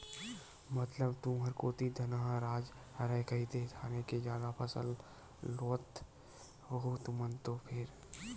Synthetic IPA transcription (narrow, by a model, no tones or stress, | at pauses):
mət̪ləbt̪ũɦəɾkoːt̪id̪ʱɐnaɦaɾaːd͡ʒ | həɾɛkəɦit̪et̪ʰaːneked͡ʒjaːd̪apʰəsə̰lː | oːt̪ | ɦoɦot̪umənt̪opʰɪɾ